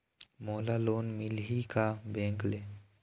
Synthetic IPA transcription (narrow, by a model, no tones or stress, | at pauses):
moːlaloːnmɪlɦikabẽːŋkle